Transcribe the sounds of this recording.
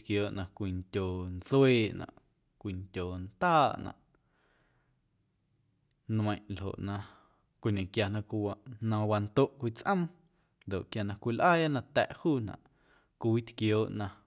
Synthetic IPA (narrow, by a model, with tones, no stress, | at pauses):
kjoː˨ʔnã˧kʷi˨ntʲoː˨nt͡sweː˦nã̰˨ʔ | kʷi˨ntʲoː˨nt̪aː˦ʔnã̰˨ʔ | nmə̃˧˨j̃ʔlɦo̰˨ʔnã˧ | kʷi˧nẽ˨kja˧nã˧ʔkʷi˧wa˧˨ʔnã˧wa˧nt̪o˦ʔkʷi˧t͡sʔə̃˦m | nd̪o˨ʔkja˨nã˧kʷi˧lʔaː˦ja˦nã˧t̪ɛ̰˨ʔhuː˦˨nã̰˨ʔ | kʷi˧i˦t̪kjoː˨ʔnã˧